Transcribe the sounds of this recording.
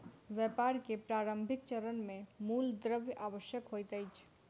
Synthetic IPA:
ʋjɛpaɾkepɾaɾəmbʱik̚t͡ʃəɾənmemuld̪ɾəbjʔaʋəʃjəkɦojt̪əjt͡ʃʰ

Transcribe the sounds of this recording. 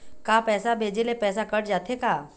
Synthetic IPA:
kaːpɛːsabʱeːd͡ʒelepɛːsakɐɽd͡ʒaːt̪ekaː

